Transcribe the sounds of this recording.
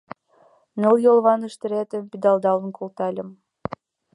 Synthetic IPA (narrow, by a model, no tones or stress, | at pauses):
nɤlˠjolˠβɑnɯʃt̪ɘ̆ɾæt̪ɘ̆mpʲid̪ɑlˠd̪ɑlˠənkʰolˠt̪ɑlʲɤ̆m